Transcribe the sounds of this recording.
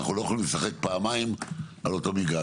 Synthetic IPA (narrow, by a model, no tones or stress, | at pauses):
a̰χulojaχolimlesaχek̚paːmaimalo̞to̞miɡa